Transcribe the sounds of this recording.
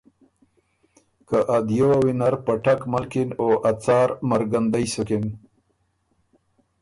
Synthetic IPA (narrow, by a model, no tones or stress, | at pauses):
kəʔad̪jowawinaɾpaʈakmalkinoʔat͡sɑːɾmaɾɡand̪ajsukin